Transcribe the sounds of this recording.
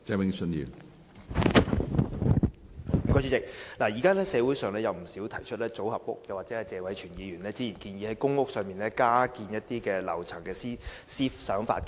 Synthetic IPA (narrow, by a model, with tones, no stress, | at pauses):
t͡sɛː˧˥mɪ˥ŋsɵ˧njḭ˨˧ | m̩˨˩kɔː˧jt͡ʃʰy˧˥t͡sɪ˨k̚laː˨˩jiː˨˩kaː˥lɛː˥sɛː˨˧wuː˨˥jsœː˨ŋlɛː˥jɐ˨wm̩˨˩siː˨˥wt̪ʰɐ˨˩jt͡ʃʰɵ˥t̚lɛː˥t͡so˨˥whɐ˨p̚wʊ̰˥k̚jɐ˨˧wa˨t̚t͡sɛː˨˥hɛ˨˩t͡sɛː˨˧wɐ˨˧jt͡ʃʰyː˨˩njiː˨˧ɥyː˨˩nlɛː˥t͡siː˥jiː˨˩nkiː˧njiː˨˧hɐ˨˦˥jkʊ˥ŋːʊ˥k̚sœː˨˧ŋmiː˨˩nlɛː˥kaː˥kiː˧njɐ˥t̚t̪iː˥kɛː˧lɐ̰˨˩wt͡sʰɐ˨˩ŋkɛː˧siː˥ | siː˥fsœː˨˥ŋfa̰ː˧t̚k